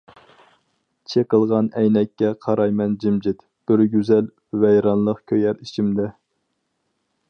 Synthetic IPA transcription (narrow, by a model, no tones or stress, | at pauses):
t͡ʃʰeqəlˠʁɑnɛjnɛkʲːɛqʰɑɾɑjmɛnd͡ʒimd͡ʒɪt̪ | b̥ɪɾɡʲyzɛl | vɛjɾɑnlˠəqkʲʰøjɛɾit͡ʃʰimd̪ɛ